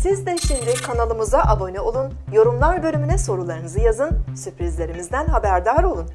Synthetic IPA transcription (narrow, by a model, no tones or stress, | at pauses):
sizd̪ɛʃimd̪ikʰanalˠɯmuzaʔabo̞nɛo̞lˠun | jo̞ɾumlˠaɾbø̞lʲymynɛso̞ɾulˠaɾɯnɯzɯjazɯnsypɾizlʲe̞ɾimizd̪ænɦabæɾd̪aɾo̞lˠun